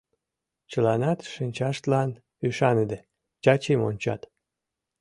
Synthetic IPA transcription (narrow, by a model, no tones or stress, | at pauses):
t͡ɕəlɑnɑt̪ʃinʲt͡ɕɑʃt̪lɑn | yʃɑnəd̪e | t͡ɕɑt͡ɕemonʲt͡ɕɑ̰t̪